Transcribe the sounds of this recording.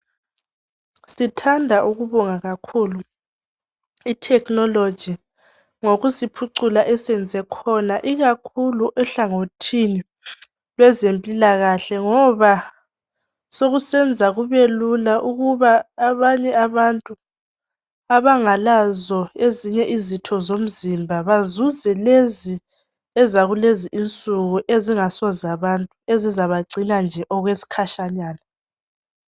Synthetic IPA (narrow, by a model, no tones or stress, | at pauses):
sitʰandʱaʔuɣuβɔŋaɣakʰuːlu | itʰɛknɔlo̥ʒ̥ʱi | ŋoɣusipʰuǀulaʔɛsɛnd͡zʱɛkʰɔnaʔiɣakʰuluʔɛɬaŋotʰini | lɛzempʼilaɣaɬɛŋɔβa | soɣusɛnd͡zʱaɣuβelulaʔuɣuβaːβaɲɛaβantʼu | aβaŋalazɔeziɲɛʔizitʰɔzom̩zimbʱaβazuzɛlezi | ɛzaɣuleziʔint͡sʼuɣuʔeziŋasɔzaβantʼuezizaβaɡ͡ǀʱinand͡ʒʱɛʔɔɣwesi̥kʰaʃaɲaːna